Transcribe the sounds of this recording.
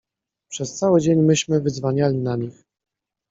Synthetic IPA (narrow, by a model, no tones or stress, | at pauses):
pʂɛst̪sawɘd͡ʑeɲmɘɕmɘvɘzvaɲalʲinaɲʲix